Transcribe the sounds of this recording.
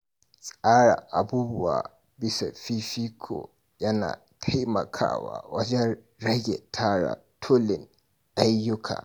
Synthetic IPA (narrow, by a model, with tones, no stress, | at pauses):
sʼaː˦ɽa̰˨ʔa˨buː˦bʊ˦wa̰ː˨ | bɪ˦sa˨fi˦fi˦kʰo̰˨ | jɐ˦na̰ː˨ | tʰa˦jmɐ̰˨kʰa̰ː˦wa̰ː˨wɐ˦d͡ʒɛ˦n | ɾɐ˦ɡʲɛ˨tʰaː˦ɽa̰˨tʰo˦lɪ˨n | ʔa˦jːʊ˦kʰa̰ː˨